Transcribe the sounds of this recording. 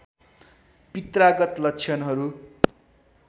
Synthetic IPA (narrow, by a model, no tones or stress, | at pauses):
pit̪raɡʌt̪lʌkt͡sʰjʌnɦʌɾu